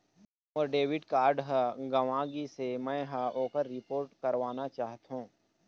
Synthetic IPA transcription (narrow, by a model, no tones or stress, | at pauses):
ɔːɾɖeːʋɪɖkaːɾɖɦəɡɐʋãːɡisemɛ̃ːɦaoːkəɾːɪpoːɾʈkɐɾʋaːnat͡ʃaːɦt̪ɦũː